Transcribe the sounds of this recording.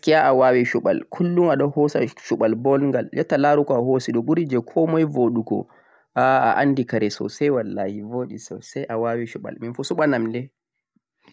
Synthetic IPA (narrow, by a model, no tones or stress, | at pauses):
kijaʔawawiʃuɓa̰lkʰulːumaɗɔhɔsa̰ʃuɓalbɔlŋɡaljɛtːalaɾukɔahosiɗɔɓuɾid͡ʒɛkʰɔmɔjvoɗukɔ̰ | aa̰ʔandikaɾɛsɔ̰sɛjwalːahivoːɗisɔ̰sɛjʔawawiʃuɓa̰lminfusuɓanamdɛ